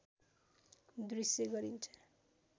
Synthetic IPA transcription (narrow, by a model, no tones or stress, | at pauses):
d̪risjeɡʌɾint͡sʰʌ